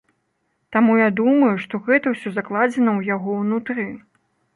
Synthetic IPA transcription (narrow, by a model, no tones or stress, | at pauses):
t̪amujad̪umɐjuʂt̪ɔɣɛt̪ɐwsʲɔzaklˠad͡zʲɛnɐwjaɣɔwnut̪ɾɨ